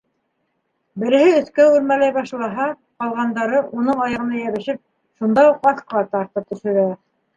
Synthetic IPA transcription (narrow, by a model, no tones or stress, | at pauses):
bɘ̆ɾɘ̆hɘɵ̆θkæʉɾmælæjbɑʃlˠɑɦɑ | qɑlˠʁɑnd̪ɑɾɤʔunɤɴɑjɑ̆ʁɤ̆nɑjæβɘ̆ʃɘp̚ | ʃund̪ɑuqɑθqɤ̆lˠɑt̪ɑɾt̪ɤp̚t̪ɵ̆ʃɵ̆ɾæ